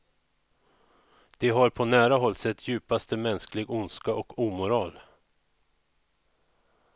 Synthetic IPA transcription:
d̪̥ɛɦaɾpʰɔnæːɾaɦɔlsɛt̪ʰːjʉ̟ːpast̪əmɛnsklɪɡʊnskaʔɔkuːmʊɾɑːl

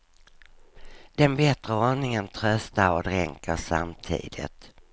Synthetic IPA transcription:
d̪ɛnbɛt̪ɾəɔnɪŋənt̪ʰɾœst̪aɾɔd̪ɾɛŋkʰəʂa̰mt̪ʰḭːd̪ɪ̰t̪

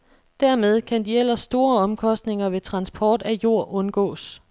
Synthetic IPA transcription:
d̥æɐ̰með̞ˠkʰænd̥iel̰ɐsːd̥o̝ːɐɒ̽mkʰɒ̽sd̥ne̝ŋɐʋe̝t͡sʰʁɑ̈nsb̥ʰɒːd̥æjo̝ɐ̰ʔɔ̽nɡ̥ɔ̰̽ːs

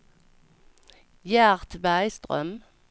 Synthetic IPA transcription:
jæːʁt̪bæɪst̪ʁœ̰m

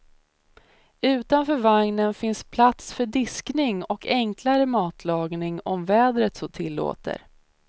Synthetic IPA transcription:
ʉ̟ːt̪anfœːɾvaŋnənfɪnspʰlat̪sfœɖɪsknɪŋɔkʰɛŋklaɾəmɑːt̪ʰlɑːɡnɪŋɔmvɛːd̪ɾət̪sɔt̪ʰɪlːo̰ːt̪ə̰ɾ

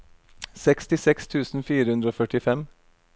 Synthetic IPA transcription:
sɛkst̪ɪsɛkst̪ʰʉːsn̩fiːɾəhʉnd̪ɾəoːfœʈɪfɛm

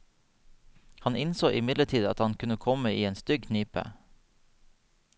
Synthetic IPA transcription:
hɑnɪnsoːʔɪmɪd̪ləʈʰiːd̪ɑ̰t̪hɑnkʰʉnəkʰɔməiːeːnst̪ʏɡ̚kʰniːpə̰

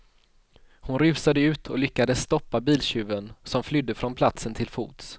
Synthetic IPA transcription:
hʊnɾʉ̟ːsad̪əʉ̟ːt̪ʰɔlʏkːad̪əsːt̪ɔpːabiːlɕʉ̟ːvənsɔmflʏd̪ːəfɾɔnpʰlat̪sənt̪ʰɪlfṵːt̪s

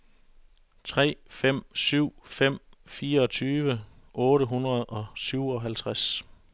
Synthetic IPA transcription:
t͡sʰʁɛ̰ːfem̰syʊ̰fem̰fiːɐɒ̽t͡sʰyːʋə | ʔɔ̽ːɾəɦunʁɐðˠɒ̽syʊ̰ɒ̽ɦælt͡sʰʁas

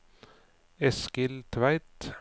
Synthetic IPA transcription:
ɛskɪlt̪ʰʋæɪt̪

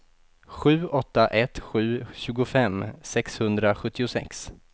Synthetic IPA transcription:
ɧʉ̟ːɔt̪ːaʔɛt̪ɧʉ̟ːɕʉ̟ːɡʊfɛmːsɛkshɵnd̪ɾaɧɵt̪ːɪʊsɛ̰ks

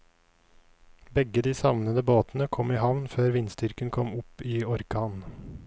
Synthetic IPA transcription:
bɛɡəd̪iːsɑʋnəd̪əboːt̪n̩əkʰɔmiːhɑʋnføːɾʋɪnst̪ʏɾkənkʰɔmʊpiːɔɾkɑːn

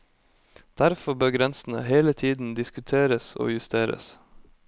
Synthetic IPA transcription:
d̪̥æɾfɔbøːɡɾɛnsn̩ə̰heːlət̪ʰiːd̪n̩d̪ɪskʉt̪ʰeːɾəso̰ːjʉst̪eːɾə̰s

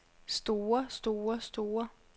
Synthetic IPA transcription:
sd̥o̝ːɐsd̥o̝ːɐsd̥o̝ːɐ

